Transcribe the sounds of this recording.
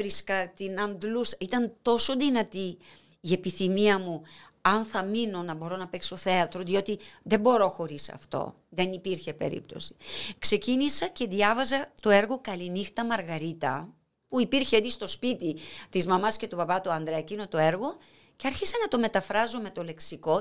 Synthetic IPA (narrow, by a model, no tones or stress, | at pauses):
ɾiskɐt̪inɐnd̪lusɐ̥it̪ɐnt̪o̞so̞ðinɐt̪iː | e̞piθimiɐmu | ɐnθɐmino̞nɐbo̞ɾo̞nɐpekso̞θe̞ɐt̪ɾoðio̞t̪iðe̞bo̞ɾo̞xo̞ɾisɐ̰ft̪o̞̰ | ðe̞nipiɾçe̞pe̞̰ɾḭp̚t̪o̞̰si̥kse̞cinisɐce̞ðiɐvɐzɐt̪o̞e̞ɾɣo̞kɐlinixt̪ɐmɐɾɣɐɾit̪ɐ | puipiɾçeet̪ist̪o̞spit̪it̪izmɐmɐsce̞t̪upɐpɐt̪uɐnd̪ɾecino̞t̪o̞e̞ɾɣo̞ | ceɐɾçisɐnɐt̪o̞me̞t̪ɐfɾɐzo̞met̪o̞le̞ksiko̞